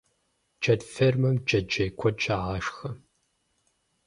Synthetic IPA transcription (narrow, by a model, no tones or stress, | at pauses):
d͡ʒɐdfermɐmd͡ʒɐd͡ʒɐjkʷʰɔt͡ʃʼaːʁaʂxɐ